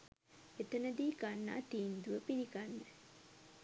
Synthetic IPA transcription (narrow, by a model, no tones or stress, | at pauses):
et̪ənəd̪iːɡanːa̰ːt̪iːnd̪uʋəpiɾiɡanːə